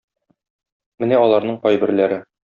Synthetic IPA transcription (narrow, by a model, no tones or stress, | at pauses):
mɘnæɒlˠɑɾnɤɴqɒjbɘ̆ɾlæɾɘ